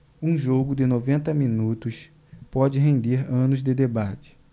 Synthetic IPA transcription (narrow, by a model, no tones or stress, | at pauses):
ũʒoɡʊd̪ɪnovẽnt̪ɐmĩnut̪ʊs | pɔd͡ʒɪɦẽnd̪eɾɐ̃nʊzd̪ɪd̪ebat͡ʃɪ̥